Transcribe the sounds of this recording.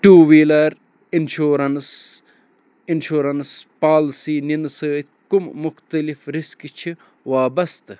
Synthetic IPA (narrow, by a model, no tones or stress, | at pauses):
ʈuːʋiːlɐɾ | inʃuːɾɐns | inʃuːɾɐnspaːlsiːninsəːt̪ʲkummʊxt̪ɐlifɾɪskt͡ʃʰi | ʋaːbɐst̪